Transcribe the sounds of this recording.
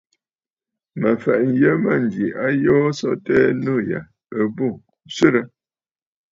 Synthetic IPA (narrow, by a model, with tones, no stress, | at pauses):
mə˨fɛ˨ʔn̩˨jə˦mə˦˨n̩˨ɡi˨ʔa˦joː˦sɔ̰˦tɛː˦nu˦˨ja̰˨ | ə˦bu˦˨ | sə˦ɾə˦